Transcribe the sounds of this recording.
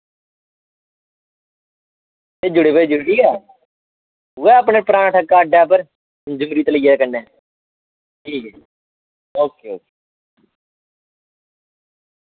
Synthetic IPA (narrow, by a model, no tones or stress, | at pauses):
t̪eːd͡ʒʊɽeːped͡ʒʊɽiːaː | ɦuɛːəp̬neːpəɾaːnːʈʰəkːaːəɖaːpəɾ | d͡ʒʊmɾiːt̪eləiːeːkənːɛː | ʈʰiːkɛː | oːkeːoːke̥